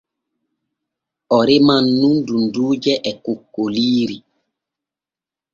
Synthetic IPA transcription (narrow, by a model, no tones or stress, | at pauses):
ɔɾemanːundunduːd͡ʒɛʔɛkukːoliːɾi